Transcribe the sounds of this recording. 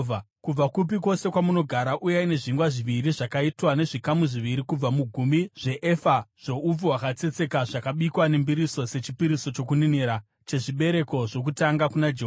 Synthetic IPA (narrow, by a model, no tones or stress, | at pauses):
kub͡vakup̬ikwo̞se̞kwamuno̞ɡʱaɾaʔujaine̞ʐiŋɡwaʐiʋiɾiʐakaitwane̞ʐikamuʐiʋiɾikub͡vamuɡʱumbiʐe̞ʔefaʐ̥o̞ub͡vowakat͡se̞t͡se̞kaʐakaɓikwane̞mbiɾiso̞se̞t͡ʃipiɾiso̞t͡ʃo̞kunineɾa | t͡ʃe̞ʐiɓe̞ɾe̞ko̞ʐo̞kutaŋɡakunad͡ʒeɦo